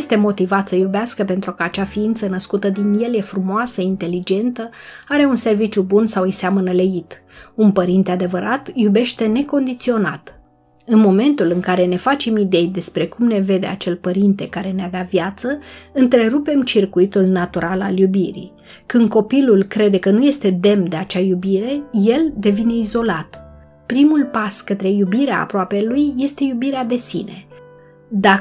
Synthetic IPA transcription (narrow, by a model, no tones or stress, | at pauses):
st̪e̞mo̞t̪ivat̪səjubeaskəpe̞nt̪ɾukəat͡ʃafiint̪sənəskut̪əd̪inje̞lje̞fɾumoasəint̪e̞lid͡ʒe̞nt̪ə | aɾe̞unse̞rvit͡ʃjubunsawɨjseamənəlejit̪ | unpəɾint̪ead̪e̞vəɾat̪jube̞ʃt̪e̞ne̞ko̞nd̪it̪sio̞na̰t̪ | ɨnmo̞me̞nt̪ulɨŋkaɾe̞ne̞fat͡ʃemid̪e̞jd̪e̞spɾe̞kumne̞ve̞d̪e̞̰at͡ʃe̞lpəɾint̪e̞kaɾe̞nead̪avjat̪səɨnt̪ɾe̞ɾupe̞mt͡ʃirkuit̪ulnat̪uɾala̰ljubiɾḭ | kɨnd̪̚ko̞pilulkɾe̞d̪e̞kənuje̞st̪e̞d̪e̞md̪e̞at͡ʃajubiɾe̞je̞ld̪e̞vine̞izo̞lat̪ | pɾimulpaskət̪ɾe̞jubiɾea̰ːpɾoape̞lujːe̞st̪e̞jubiɾead̪e̞sḭne̞ | d̪a